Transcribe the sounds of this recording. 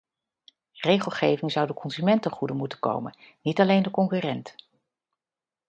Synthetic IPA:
rejχəlˠχejvɪŋzʌwdəkɔnzymɛntəχudənmutənko̰wmə̰nnitɑlejndəkɔŋkyːrɛnt

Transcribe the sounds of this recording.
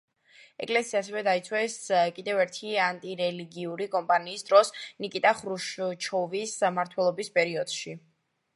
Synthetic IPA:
ɛ̰kʼlɛsiaːsɛvɛd̪ait̪sʰwɛskʼid̪ɛvɛɾt̪ʰiant̪ʼiɾɛliɡiuɾikʼɔmpʼaniːsd̪ɾɔsnikʼit̪ʼaχɾuʃt͡ʃʰɔvismaɾt̪ʰwɛlˠɔbispʼɛɾiɔd̪̥ʃi

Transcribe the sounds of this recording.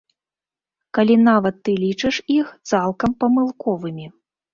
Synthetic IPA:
kalʲinavɐt̪ːɨlʲit͡ʂɨʂixt̪salˠkɐmpɐmɨlˠkɔvɨmʲi

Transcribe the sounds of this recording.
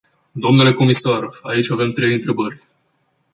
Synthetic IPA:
d̪o̞mnule̞ko̞misaɾait͡ʃʲave̞mt̪ɾe̞jɨnt̪ɾe̞bərʲ

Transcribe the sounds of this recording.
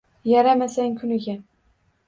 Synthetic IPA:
jaɾamasaŋʲkʰʊnɪɡʲa

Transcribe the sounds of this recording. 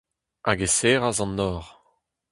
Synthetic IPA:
ʔaɡeseːʁazɑ̃nːɔːʁ

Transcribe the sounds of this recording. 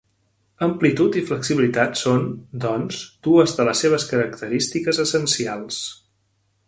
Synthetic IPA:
əmplit̪ut̪ifləksiβilit̪at̪sond̪ɔnzd̪̥uəzðələsːeβ̞əskəɾəkt̪əɾist̪ikəzəsənsialˠs

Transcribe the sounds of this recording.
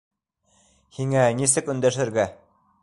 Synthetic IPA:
hiŋænisɘkɵ̆nd̪æʃɘ̆ɾɡæ

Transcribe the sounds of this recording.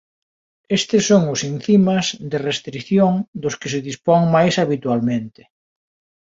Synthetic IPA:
est̪ɪsːoŋʊsin̟θimɐzðɪrest̪ɾikθjoŋd̪ʊskɪsɪðispɔŋmajsaβit̪ualmẽnt̪ɪ̥

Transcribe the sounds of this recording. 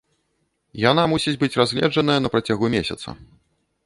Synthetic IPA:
janamusʲid͡zʲbɨt͡sʲrazʲlʲɛ̰d͡ʐɐnɐjɐnɐpɾat͡sʲaɣumʲesʲɐ̰t̪sɐ̰

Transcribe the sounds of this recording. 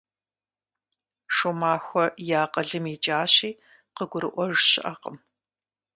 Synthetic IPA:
ʂomaːxʷɔjaːqəɮɨmit͡ʃʼaːɕiː | qəɡʷʊɾɨ̰ʔʷɔʒɕɪ̰ʔɐqəm

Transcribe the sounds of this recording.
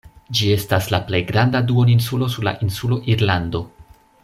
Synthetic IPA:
d͡ʒie̞staslaple̞jɡɾandaduo̞ninsulo̞suɾla̰ʔinsulo̞ʔiɾlando̞

